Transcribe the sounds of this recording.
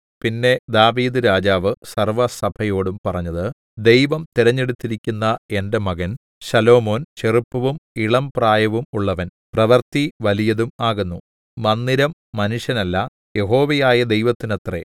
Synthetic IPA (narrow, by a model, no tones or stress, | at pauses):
pinːe̞d̪aːʋiːd̪ɨɾaːd͡ʑaːʋɨsɐrʋɐsɐbʰʱɐjo̞ːɽumpɐrɐɲːɐðɨ | d̪e̞jʋɐmt̪iɾɐɲːe̞ɽut̪ːiɾikʲːunːɐe̞nde̞mɐɣɐn | ɕɐlo̞ːmo̞ːnt͡ɕeripːɐʋumiɭɐmpraːjɐʋumuɭːɐʋɐn | prɐʋɐrt̪iʋɐlijɐðumaːɣunːu | mɐnːiɾɐmːɐnuʂjɐnɐlːɐ | je̞ɦo̞ːʋɐjaːjɐd̪ejʋɐt̪ːinɐt̪re̞̰